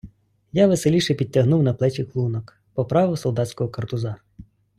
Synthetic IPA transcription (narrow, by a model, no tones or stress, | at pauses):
jaʋeselʲiʃɛpʲid̚ʲtʲːɐɦnuwnɐplˠɛt͡ʃʲiklˠunɔk | pɔpɾɑʋɪsɔlˠd̪ɑtʲsʲkɔɦɔkɐrt̪ʊzɑ